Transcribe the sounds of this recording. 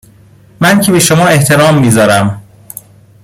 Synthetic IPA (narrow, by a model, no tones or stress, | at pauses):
mæncʰebeʃomɒːe̞ht̪ʰe̞ɾɒːmːiːzɒːɾæm